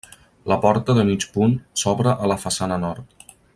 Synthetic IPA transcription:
ləpɔɾt̪əðəmit͡ʃpunsɔβɾəʔələfəsanənɔɾt̪

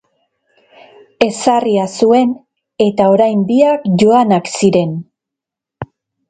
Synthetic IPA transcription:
e̞sariasue̞n | e̞t̪ao̞ɾajmbiakʝo̞anaksiɾe̞n

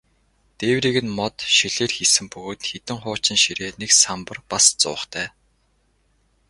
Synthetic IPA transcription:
t̪eːwɾiːɣɘ̆nmɔt̪ʃiɮeːrxisɘ̆mpɵɣoːt̪xet̪ɘ̆ŋχʊːt͡ɕɪ̆nʃiɾeːneksampə̆rpast͡sʊ̰ːχt̪ʰæː

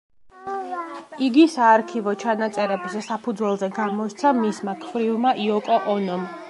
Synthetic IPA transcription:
iɡisaːɾkʰivɔt͡ʃʰanat̪sʼɛɾɛbzɛsapʰud̪zwɛlˠzɛɡamɔɾt̪sʰamismakʰvɾivmaʔiɔkʼɔʔɔnɔm

